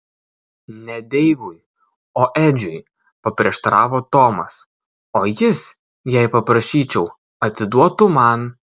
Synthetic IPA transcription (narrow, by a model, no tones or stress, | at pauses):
nʲɛd̪ʲɛɪʋʊj | oːʔɛːd͡ʒʲʊj | pɐpʲɾʲiɛʃt̪ɐɾɑːʋoːt̪oːmɐs | oːjɪs | jɛɪpɐpɾɐʃʲiːt͡ʃʲɛʊ | ɐt̪ʲɪd̪uɔt̪ʊmɑn